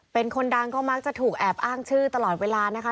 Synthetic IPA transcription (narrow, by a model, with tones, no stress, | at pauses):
pe˧nkʰo˧nda˧ŋkɔː˥˩ma˦˥k̚t͡ɕa˨˩t̪ʰuː˨˩k̚ʔɛː˨˩p̚ʔaː˥˩ŋt͡ɕʰɯː˥˩t̪a˧lɔː˨˩t̪̚weː˧laː˧na˦˥kʰa˦˥